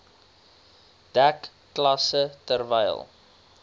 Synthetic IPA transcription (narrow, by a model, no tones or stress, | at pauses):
d̥ækː | lɐsətərvɛjlˠ